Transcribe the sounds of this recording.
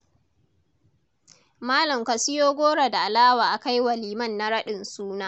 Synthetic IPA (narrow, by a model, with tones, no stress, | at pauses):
maː˦lɐ˨mkɐ˨sɪ˦joː˦ɡʷoː˦ɽa˨da˨ʔa˨laː˦waː˨ʔa˨ka˦jwɐ˨liː˨mɐ˦˨nːa˨˦ɽɐ˦ɗɪ˨nsuː˦naː˦